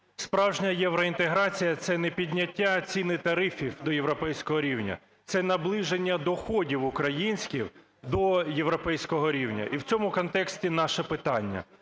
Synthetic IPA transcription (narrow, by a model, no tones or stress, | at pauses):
spɾɑwʒnʲɐjɛʋɾɔint̪eɦɾɑt͡sʲijɐt̪sɛnɛpʲidʲnʲɐtʲːat͡sʲinɪt̪ɐɾɪfʲiwd̪ɔjeʋɾɔpɛjsʲkɔɦɔɾʲiwnʲɐ̰ | t̪sɛnɐblˠɪʒenʲːɐd̪ɔxɔdʲiwʊkɾɐjinʲsʲkʲiw | d̪ɔje̞ʋɾɔpɛjsʲkɔɦɔɾʲiwnʲɐ̰ʔiwt͡sʲɔmʊkɔnt̪ɛksʲtʲinɑʃɛpɪt̪ɑnʲːɐ̰